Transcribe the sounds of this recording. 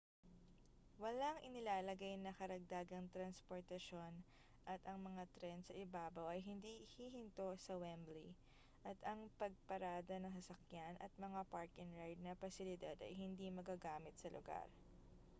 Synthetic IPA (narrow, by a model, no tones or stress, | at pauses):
wɐlaŋʔɪnɪlaːlɐɡajnɐkɐɾɐɡ̚d̪aːɡɐŋt̪ɾɐnspoɹt̪ɐʃo̞n | ʔɐt̪ʔɐŋmɐŋat̪ɾɛnd̪sɐʔɪbaːbɐwʔɐjɦɪnd̪iʔhihɪnt̪o̞sɐwɛmbli | ʔɐt̪ɐŋpɐɡ̚pɐɾaːd̪ɐnɐŋsɐsɐkjanʔɐ̰t̪̚mɐŋapaɹkɪŋɾajd̪̚nɐpɐsɪlɪd̪ad̪ɐ̰jɦɪnd̪imɐɡaːɡaːmɪt̪̚sɐlʊɡa̰ɾ